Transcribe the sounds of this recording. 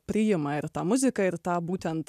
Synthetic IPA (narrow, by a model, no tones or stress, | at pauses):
pɾijɛmaiɾt̪aːmuzʲikɐiɾt̪aːbuːt̪ʲɛnt̪